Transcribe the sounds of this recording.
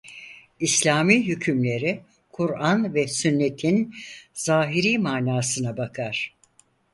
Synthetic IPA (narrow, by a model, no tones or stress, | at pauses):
islʲaːmiːɦycʰymlʲe̞ɾi | kʰuɾanvɛsynːe̞t̪ʰinz̥aːɦiɾiːmaːnaːsɯnabakʰaɾ̥